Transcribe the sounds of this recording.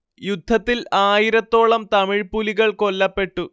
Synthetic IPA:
jud̪ʱːɐt̪ːilaːjiɾɐt̪ːo̞ːɭɐmt̪ɐmiɻpuliɣɐɭko̞lːɐpːe̞ʈːu

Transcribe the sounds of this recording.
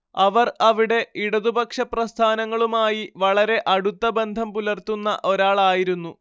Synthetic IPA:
ɐʋɐrɐʋiɽe̞iɽɐðubɐkʂɐprɐst̪ʰaːnɐŋːɐɭumaːjiʋɐɭɐɾe̞ʔɐɽut̪ːɐbe̞nd̪ʱɐmpulɐrt̪unːɐ̰ʔo̞ɾaːɭaːjiɾunːu

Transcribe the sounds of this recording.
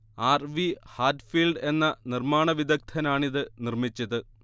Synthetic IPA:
aːrʋihaːʈfiːlɖe̞nːɐnirmaːɳɐʋid̪ɐk̚t̪ʰɐnaːɳiðɨnirmit͡ɕːɐðɨ

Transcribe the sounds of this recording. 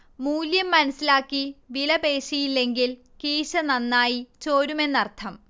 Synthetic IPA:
muːljɐmːɐnɐsːilaːkːiʋilɐbe̞ːɕijilːe̞ŋɡil | kiːɕɐnɐnːaːjit͡ɕo̞ːɾume̞nːɐrt̪ʰɐm

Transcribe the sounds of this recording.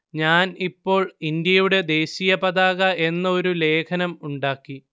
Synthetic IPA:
ɲaːnipːo̞ːɭind̪jɐjuɽe̞d̪e̞ːɕijɐpɐðaːɣɐʔe̞nːɐo̞ɾule̞ːkʰɐnɐmuɳɖaːkːi

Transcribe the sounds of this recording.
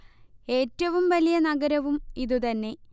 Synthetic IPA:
e̞ːtːɐʋumʋɐlijɐnɐɡɐɾɐʋumiðut̪ɐnːe̞

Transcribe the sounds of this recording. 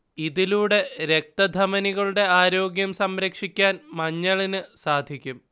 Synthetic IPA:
iðiluːɽe̞ɾe̞k̚t̪ɐd̪ʱɐmɐniɣɐɭuɽe̞aːɾo̞ːɡjɐmsɐmɾɐkʂikʲːaːnmɐɲːɐɭinɨsaːd̪ʱikʲːum

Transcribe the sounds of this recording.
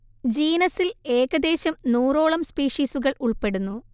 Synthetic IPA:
d͡ʑiːnɐsile̞ːɣɐd̪e̞ːɕɐmnuːro̞ːɭɐmspiːʂiːsuɣɐɭuɭpe̞ɽunːu

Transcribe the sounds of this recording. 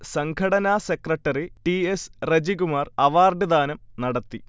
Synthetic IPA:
sɐŋkʰɐɽɐnaːsekrɐʈːɐriʈiesred͡ʑiɣumaːrɐʋaːrɖɨd̪aːnɐmnɐɽɐt̪ːi

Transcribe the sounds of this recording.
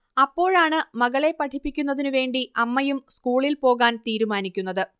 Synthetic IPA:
ɐpːo̞ːɻaːɳɨmɐɣɐɭe̞pɐʈʰipːikʲːun̪ːɐðinɨʋe̞ːɳɖiɐmːɐjumskuːɭilpo̞ːɣaːnt̪iːɾumaːnikʲːunːɐðɨ

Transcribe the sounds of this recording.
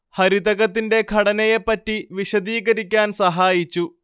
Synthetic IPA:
hɐɾid̪ɐɣɐt̪ːinde̞kʰɐɽɐnɐjepːɐtːiʋiɕɐd̪iːɣɐɾikʲːaːnsɐɦaːjit͡ɕːu

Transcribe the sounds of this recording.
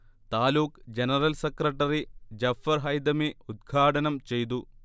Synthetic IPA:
t̪aːluːkd͡ʑenɐrɐlsekrɐʈːɐrid͡ʑɐfɐɾɦɐjd̪ɐmiud̪̚ɡʱaːʈɐnɐmt͡ɕe̞jt̪̬u

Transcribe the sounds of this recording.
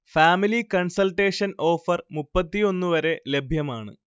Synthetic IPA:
faːmilikɐɳsɐlʈe̞ːʂɐno̞ːfɐrmupːɐt̪ːio̞nːuʋɐɾe̞le̞bʱjɐmaːɳɨ̰

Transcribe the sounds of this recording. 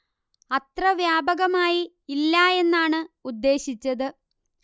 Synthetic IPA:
ɐt̪rɐʋjaːbɐɣɐmaːjiː | lːɐe̞nːaːɳɨud̪ːe̞ːɕit͡ɕːɐðɨ

